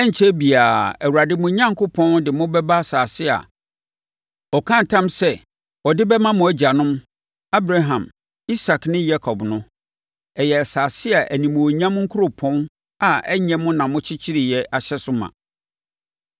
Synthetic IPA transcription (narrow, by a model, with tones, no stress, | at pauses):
ɛ˦ɲ̩˨t͡ɕʰɛ˦bi˨aː˨ɛ˨wu˨ɾa˨dɪ˦mʊ̃˨ɲã˦ŋ̩˨kʰʊ˦pʰɔ̃˦ndɪ˨mʊ̃˦bɛ˦ba˦˨saː˨sɪ˦a̰˨ | ɔ˨kʰã˦n̩˨tʰã˦msɛ˦ | ɔ˨dɪ˦bɛ˦mã˦mʊ̃˨æ˦d͡ʑa˨nʊ̃˦m | a˦bɾa˦ɦã˨m | i˦sa˨knɪ̃˦ja˦kʰɔ˨bnʊ̃˦ | ɛ˨jɛ˨saː˨sɪ˦a˨ʔæ˨nĩ˨mʊ̃˨wo˨ɲã˦m˦ŋ̩˦kʰu˦ɾo˨pʰɔ̃˦n | a˨ɛ˦ɲɛ̃˦mʊ̃˦nã˨mʊ̃˦t͡ɕʰɪ˦t͡ɕʰɪ˦ɾɪ˨jɛ˦ʔa˨ɕɛ˦sʊ˦mã̰˨